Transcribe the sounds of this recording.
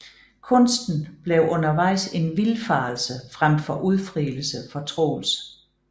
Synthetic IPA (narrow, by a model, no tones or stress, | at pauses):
kʰɔ̽nsd̥n̩b̥leʊɔ̽nɐʋɑ̈ɪ̰se̝nʋilfɑ̈ːl̩səfʁam̰fɒ̽ʔuð̞ˠfʁiːlsəfɒ̽t͡sʰʁo̰ːl̩s